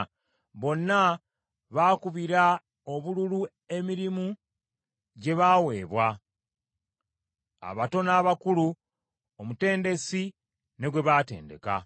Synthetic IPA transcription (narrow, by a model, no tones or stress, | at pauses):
βo̞nːa | βaːkuβiɾa | o̞βululu | e̞miɾimu | ɟe̞βawe̞ːβwa | a̰βato̞naːβakulu | omute̞ːnde̞si | ne̞ɡwe̞βaːte̞̰ːnde̞̰ka̰